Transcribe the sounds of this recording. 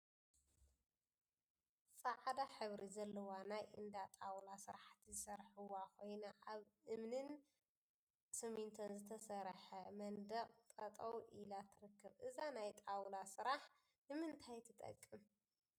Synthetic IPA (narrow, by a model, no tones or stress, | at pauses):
sʼɐʕad̪aħɨβɾizɐlːɐwanajʔɨnd̪at̪ʼawlasɨɾaħt̪ʰizɨsɐɾħɨwakʰo̞jnaʔaβʔɨmnɨn | sɨmint̪ʰonzɨt̪ʰɐsɐɾħɐmɐnd̪ɐqʼt̪ʼɐt̪ʼɐwʔilat̪ʰɨɾɨkːɐβʔɨzanajt̪ʼawlasɨɾaħ | nɨmɨnt̪ʰajt̪ʰɨt̪ʼɐ̰kʼːɨm